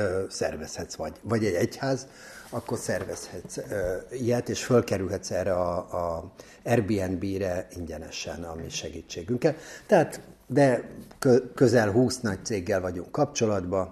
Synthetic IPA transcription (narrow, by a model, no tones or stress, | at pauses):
sɛrvɛshɛt̪sʋɒɟvɒɟɛɟɛchaːz | ɒkːo̞rsɛrvɛshɛt̪sijɛt̪eːʃfølkɛɾylɦɛt̪sɛːrɛɒː | ɛrbiːɛnbiːɾɛiɲɟɛnɛ̰ʃɛ̰nɒmiʃɛɡiːt͡ʃːeːɡyŋkɛlt̪ɛɦaːt̪d̪ɛkøkøzɛlɦuːsnɒc̚t̪seːɡːɛlvɒɟuŋkːɒpt͡ʃo̞lɒd̪bɒ